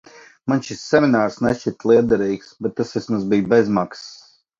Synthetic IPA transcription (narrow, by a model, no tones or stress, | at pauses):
manʃisːɛminaːɾsnɛʃt͡ʃit̪lˠiɛd̪ɛɾiːksbɛt̪̚ːasɛsmazbijbɛzmaks